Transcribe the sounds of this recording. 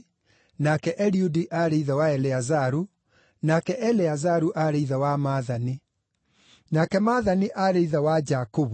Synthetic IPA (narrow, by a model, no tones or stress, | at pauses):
nakɛʔɛɾiudiʔaɾeiðawaɛlɛazaɾu | nakɛʔɛlɛazaɾuʔaɾeiðawamaːðani | nakɛmaːðaniʔaɾeiðawad͡ʒakoβu